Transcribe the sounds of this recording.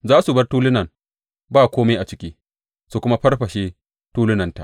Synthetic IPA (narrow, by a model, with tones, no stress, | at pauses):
zaː˦su˨bɐ˦rtuː˦lʊ˦nɐ˨m | baː˦˨kʷoː˦ma˦ʔa˨t͡ʃɪ˦kʲiː˦ | su˨kʷʊ˦ma˦ɸɐ˦rɸɐ˨ʃe˦ | tuː˦lɪ˦nɐ˨nta̰˨ʔ